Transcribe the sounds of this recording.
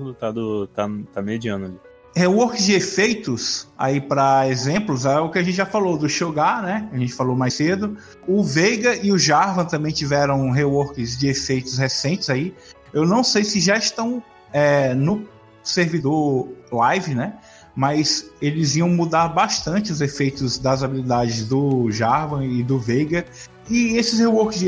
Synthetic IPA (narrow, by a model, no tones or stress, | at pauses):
ut̪ad̪ʊt̪at̪amed͡ʒiɐ̃nʊai | hewɔɾkɪzd͡ʒɪefejt̪ʊsa̰ipɾɐezẽplʊzaʊkɪaʒẽt͡ʃɪʒafalod̪ʊʃoɡanɛkaʒẽt͡ʃɪ̥falomajsed̪ʊ | ʊvejɡɐʔiʊʒaɾvɐ̃t̪ɐ̃mbẽj̃t͡ʃivɛɾɐ̃w̃ɦewoɾkɪzd͡ʒɪefejt̪ʊshesẽnt͡ʃɪzai | ewnɐ̃w̃sejsɪʒaɪʃt̪ɐ̃w̃ | ɛnʊ | seɾvid̪oɾlajvɪnɛ | mɐjzelɪziɐ̃w̃mud̪aɾbaʃt̪ɐ̃nt͡ʃɪʊzefejt̪ʊzd̪ɐzabilid̪ad͡ʒɪzd̪ʊʒaɾvɐ̃ɪd̪ʊvejɡɐ | iesɪshewoɾkɪzd͡ʒ